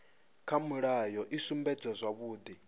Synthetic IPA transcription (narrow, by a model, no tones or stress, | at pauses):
kʰamuɺajɔʔisumbɛd͡zazʷaβuːd̪i